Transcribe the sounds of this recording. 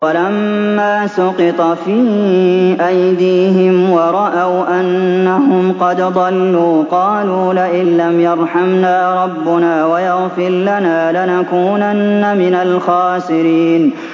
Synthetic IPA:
walamːaːsʊqɪt̪ˤɑfiːʔajd̪iːɦɪmwɑɾˤɑʔawʔanːaɦʊmqɑd̪d̪ˤɑlːuːqɑːluːlaʔɪlːamjɑɾˤħamnaːɾˤɑbːʊnaːwajɑɣfɪɾlanaːlanakuːnanːamɪnalxaːsɪɾiːn

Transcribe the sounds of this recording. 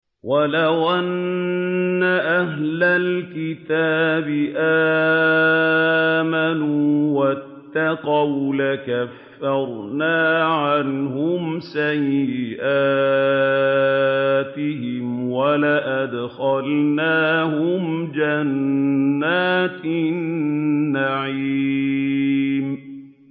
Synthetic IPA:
walawʔanː | aʔaɦlalkɪt̪aːbɪʔaː | manuːwat̪ːɑqɑwlakafːɑɾˤnaːʕanhʊmsajːɪʔaː | t̪ɪhɪmwalaʔad̪xalnaːhʊmd͡ʒanː | aːt̪nː | aʕi | m

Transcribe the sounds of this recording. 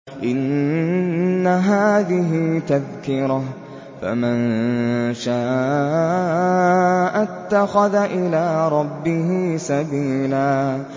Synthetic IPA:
ʔɪn | aɦaːðɪɦɪt̪aðkɪɾa | fa̰man | ʃaː | ʔat̪ːaxaðaʔɪlaːɾˤɑbːɪɦɪsabiːlaː

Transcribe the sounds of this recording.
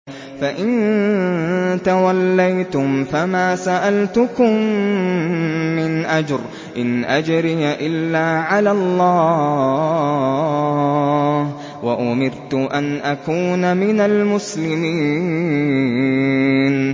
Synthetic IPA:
faʔɪn | t̪awalːajt̪ʊmfamaːsaʔalt̪ʊkʊm | ɪnʔad͡ʒɾ | ʔɪnʔad͡ʒɾɪjaʔɪlːaːʕalaːlˤːɑː | h | waʔʊmɪɾt̪ʊʔanʔakuːnamɪnalmʊslɪmiː | n

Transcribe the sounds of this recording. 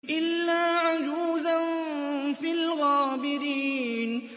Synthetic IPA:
ʔɪlːaːʕʊd͡ʒuːzanfilɣaːbɪɾiːn

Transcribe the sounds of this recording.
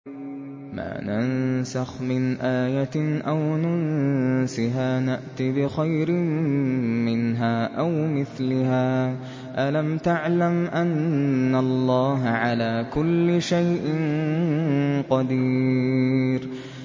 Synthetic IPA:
ma̰ːnansaxmɪnʔaːjaʔawnʊnsɪɦaːnaʔt̪ɪbɪxajɾɪmmɪnɦaːʔawmɪθlɪhaː | ʔalamt̪aʕlamʔanːalˤːɑːɦaʕalaːkʊlːɪʃajʔɪn | qɑd̪iː | ɾ

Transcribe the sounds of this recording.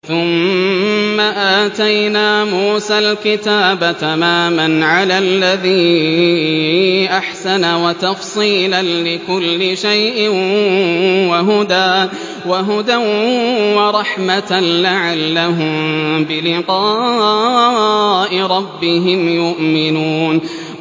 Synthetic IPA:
θʊmː | aʔaːt̪ajnaːmuːsalkɪt̪aːbat̪amaːmanʕalaːlːaðiː | ʔaħsanawat̪ɑfsˤiːlanlɪkʊlːɪʃajʔɪn | waɦʊd̪aː | waɦʊd̪awwɑɾˤɑħmat̪alaʕalːaɦʊmbɪlɪqɑː | ʔɪɾˤɑbːɪɦɪmjʊʔmɪnuːn

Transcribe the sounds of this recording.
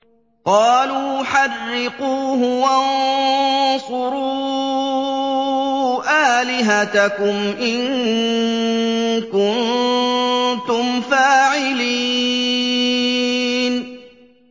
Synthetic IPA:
qɑːluːħarːɪquːɦʊwan | sʊɾuː | ʔaːlɪɦat̪akʊmʔɪŋ | kʊn | t̪ʊmfaːʕɪli | n

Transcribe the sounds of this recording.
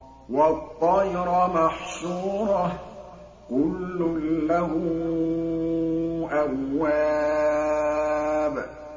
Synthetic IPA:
wɑt̪ˤːɑjɾɑmaħsuːɾˤɑ | kʊlːʊlahʊ | ʔamːaː | b

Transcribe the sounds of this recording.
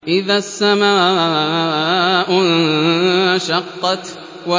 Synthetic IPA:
ʔɪðaːsːamaː | ʔʊn | ʃɑqːɑt̪ | wa

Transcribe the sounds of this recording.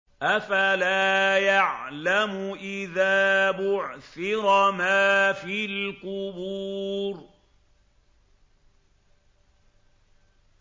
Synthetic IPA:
ʔafalaːjaʕlamʊʔɪðaːbʊʕθɪɾmaːfiːlkʊbuːɾ

